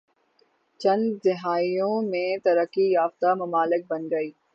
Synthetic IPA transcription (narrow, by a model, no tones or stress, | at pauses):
t͡ʃɐ̃nd̪zɪɦaːijõmẽt̪ɐɾəkijaːft̪amɐmaːlɪk̚bɐnɡɐiː